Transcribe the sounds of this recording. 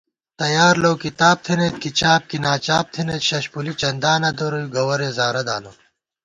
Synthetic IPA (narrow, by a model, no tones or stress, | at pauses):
t̪ɐjaːɾlowkit̪aːb̚t̪ʰinet̪̚kit͡ɕaːb̚kinaːt͡ɕaːb̚t̪ʰinet̪ɕɐɕpulit͡ɕɐnd̪aːnɐd̪oɾojuɡɐwɐɾeːzaːɾɐd̪a̰ːlo